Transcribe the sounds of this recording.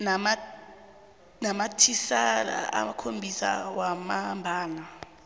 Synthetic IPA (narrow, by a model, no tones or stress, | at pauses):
nama | namatʰisala̰a̰makʰombʱisa̰wamambʱaːna